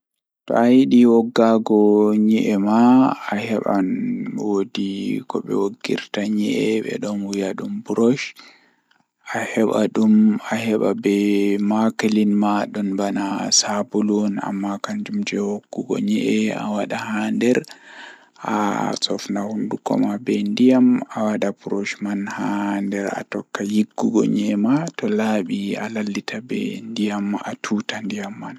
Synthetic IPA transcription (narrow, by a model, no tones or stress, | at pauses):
tɔ̰ajiɗiwɔɡːaɡɔɲiʔɛmaːhɛɓa̰nwodikɔɓɛ̰woɡːḭɾtaɲɛʔɛɓɛ̰ɗɔnwujaɗumbuɾɔʃ | ahɛɓaɗumahɛɓabɛmakalinmaɗɔnbanasabulɔna̰mːakand͡ʒumd͡ʒɛhokːuɡɔ̰ɲɛʔɛa̰waɗahandɛɾ | ʔa̰sɔfnahundukɔ̰mabɛndijamawaɗapuɾoʃmanhandɛɾa̰tɔkːajiɡːuɡɔ̰ɲɛmatɔlaːɓia̰lalːitʰabɛ̰ndijamatʰutandijamːan